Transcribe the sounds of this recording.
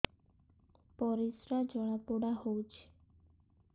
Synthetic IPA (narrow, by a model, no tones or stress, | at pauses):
pɔɾisɾad͡ʒɔɽ̃apoɽaɦout͡ʃʰe̥